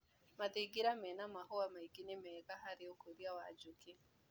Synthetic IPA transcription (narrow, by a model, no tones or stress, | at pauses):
maðeːɡiɾamɛːnamahoamaiɡinemɛːɣaɦaɾeokoɾiawad͡ʒoke